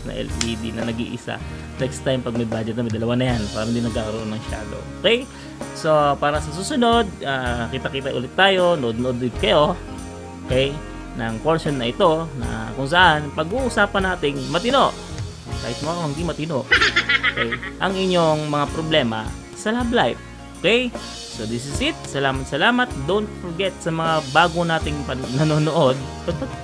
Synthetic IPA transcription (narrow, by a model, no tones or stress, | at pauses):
nɐ̰ʔɛ̰liːd̪ḭnɐnɐɡḭːʔɪsa̰ | nɛkst̪ːajmpɐɡ̚mɐjbaːd͡ʒɛt̪̚ɐmɐjd̪ɐlɐwanɐjanpaːɾɐhɪnd̪inɐɡ̚kaːkɐɾoʔo̞nːɐŋʃa̰ːlo̰ʔokɛj | so̞paːɾɐsɐs̬uːsʊno̞d̪̚ʔaːkɪt̪akɪt̪aʔʊ̰lɪt̪ːaːjo̞nɐʔod̪̚noʔod̪lɪd̪̚kɐjo̞ | ʔokɛj | nɐŋponsonːɐʔɪt̪o̞nɐ̰kʊŋs̬ɐʔanpɐɡuːʔusaːpɐnaːt̪ɪŋmɐt̪ɪnoʔ | t̪a̰jsmoɐkohɪnd̪imɐt̪ɪnoʔoʔokɛjʔɐŋɪɲːo̞ŋmɐŋapɾoblɛːmɐ̰ | sɐlablajp̚ | ʔokɛj | sod̪ɪs̬ɪsɪt̪̚sɐlaːmɐt̪sɐlaːmɐt̪̚d̪ont̪̚foɹɡɛt̪̚sɐmɐŋabaːɡonaːt̪ɪŋpɐnɐnoːnoʔo̞d̪̚ | pɐd̪̚pɐ